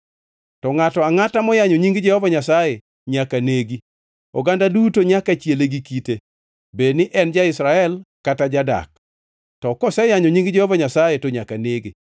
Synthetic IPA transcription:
tɔŋatɔaŋatamɔjaɲoɲiŋɡd͡ʒɛhɔvaɲasaje | ɲakaneɡi | ɔɡandadutoɲakat͡ʃjeleɡikite | bednɪʔɛnd͡ʒaɪsɾaɛlkatad͡ʒada̰k̚ | tɔkɔsɛjaɲoɲiŋɡd͡ʒɛhɔvaɲasajetoɲakaneɡi

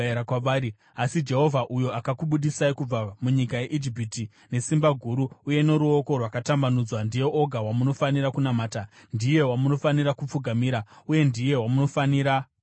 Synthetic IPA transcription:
ɾakwaʋaːɾi | asid͡ʒe̞ɦo̞vʱaʔujo̞akakuɓuɗisaikub͡vamuɲikaje̞ʔid͡ʒipiti | ne̞simbaɡʱuɾuuje̞ne̞ɾuo̞ko̞rwakatambanud͡zwandije̞ʔo̞ɡʱawamuno̞faniɾakunamaːtandije̞wamuno̞faniɾakup͡fuɡʱamiɾauje̞ndije̞wamuno̞faniːɾa

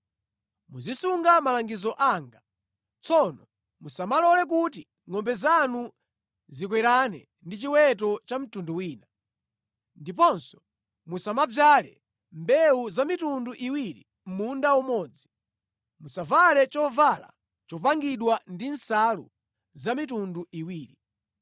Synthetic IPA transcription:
muzisuŋɡamalaŋɡizɔʔaŋɡa | t͡sʰɔnɔ | musamalɔlɛk̬uti | ŋɔmbɛzanu | zik̬wɛɾanɛ̰ | ndit͡ʃiwɛtɔt͡ʃam̩tunduwiːna | ndipɔnsɔ̥ | musamab͡ʐalɛ̰ | mbɛuzamitunduʔiwiɾi | m̩mundaumɔːd͡zi | musavalɛt͡ʃɔvala̰ | t͡ʃɔpaŋɡiɗwandinsalṵ | zamitunduiwiːɾi

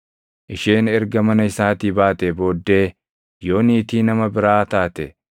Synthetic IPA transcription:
ʔɪʃeːnɛɾɡɐmɐnɐɪsaːt̪iːbaːt̪ɛbo̞ːd̪ːe̞ː | jo̞ːniːt̪iːnɐmɐbɪɾaːt̪aːt̪ɛ

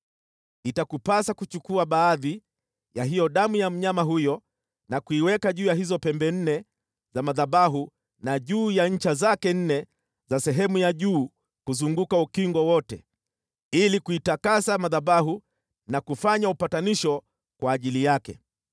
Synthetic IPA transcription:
itakupasakut͡ʃukuaɓaːði | jaɦijɔɗamujam̩ɲamaɦujɔ | nakuiwɛkaʄuːjaɦizɔpɛmbɛn̩nɛ | zamaðaɓaɦu | naʄuːjaɲ̩t͡ʃazakɛn̩nɛ | zasɛɦɛmujaʄuː | kuzuŋɡukaukiŋɡwɔwɔtɛ̰ | ilikuitakasamaðabaɦu | nakufaɲaupataniʃɔ | kwaːʄilijakɛ̰

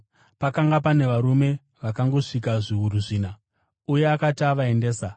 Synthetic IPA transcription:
pakaŋɡapane̞ʋaɾume̞ | ʋakaŋɡo̞ʂikaʐiwuɾuʐiːna | uje̞akataʋae̞nde̞ːsa

